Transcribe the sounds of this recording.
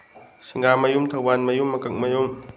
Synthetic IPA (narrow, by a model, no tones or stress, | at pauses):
sʰiŋɡamɐjumt̪ʰawbanmɐjumːɐkak̚mɐjum